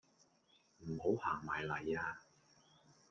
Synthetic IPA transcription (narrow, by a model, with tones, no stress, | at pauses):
m̩˨˩ho˨˥whaː˨˩ŋmaː˨˩jlɐ˨˩jaː˧